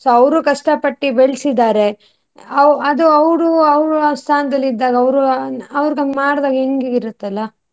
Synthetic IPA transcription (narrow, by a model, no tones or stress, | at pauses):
soːɐʋɾukɐʂʈɐpɐʈːibeɭsid̪aːɾe̞ | ɐɐd̪uɐʋɾuɐʋɾust̪ʰaːnɐd̪ɐlːid̪ːaːɡɐɐʋɾuɐʋɾɡɐmaːɽd̪aːɡɐɦeŋɡeɡiɾut̪ːɐlːɐ